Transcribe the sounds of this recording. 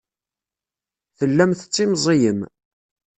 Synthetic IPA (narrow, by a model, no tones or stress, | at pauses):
θəlːæmθət͡sˤːimzˤijəm